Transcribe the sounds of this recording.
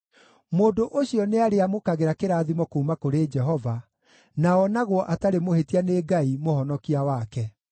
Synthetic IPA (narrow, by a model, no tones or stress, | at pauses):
moːndoʔoɕiɔneaɾeamokaɣeɾakeɾaːðimɔkoumakoɾeːd͡ʒɛɦɔva | naɔnaɣwɔʔataɾemohetianeːɡaimohɔnɔkiawakɛ